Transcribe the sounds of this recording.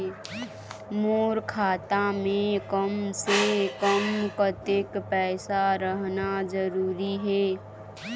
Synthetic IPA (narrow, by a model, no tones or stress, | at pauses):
moːɾkʰaːt̪amẽkəmsekəmkət̪ekpɛːsaɾəɦnad͡ʒəɾuːɾiɦɛː